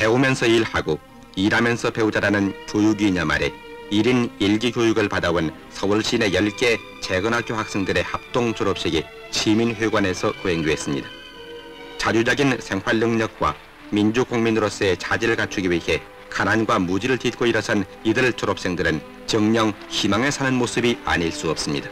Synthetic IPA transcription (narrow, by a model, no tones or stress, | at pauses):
pe̞umjʌnsʰʌiɾhaɡo | iɾamjʌnsʰʌpe̞ud͡ʑaɾanɯnkojuɡiːɲama̰ɾe̞̰ | iɾiniɭɡikjojuɡɯɭpadawon | sʰʌuɭɕ͈ine̞jʌɭk͈e̞ | t͡ɕe̞ɡɯnɦak͈̚johak̚s͈e̞ŋdɯɾe̞hap̚t͈oŋt͡ɕʰoɾʌp̚ɕ͈iɡi | ɕʰiminɸweɡwane̞sʰʌkoɦe̞ŋdweːs͈ɯmɲḭda | t͡ɕad͡ʑud͡ʑʌɡinsʰe̞ŋɸwaɭːɯŋɲʌk̚k͈wa̰ | mind͡ʑukoŋminɯɾos͈ʌe̞t͡ɕad͡ʑiɾɯɭkat͡ɕʰuɡiwihe̞ | kananɡwamud͡ʑiɾɯɭtit̚k͈oiɾʌsʰan | idɯɭt͡ɕʰoɾʌp̚s͈e̞ŋdɯɾɯn | t͡ɕʌŋɲʌŋ | çimaŋe̞sʰanɯnmosʰɯbia̰ɲiɭs͈uʌp̚s͈ɯmɲida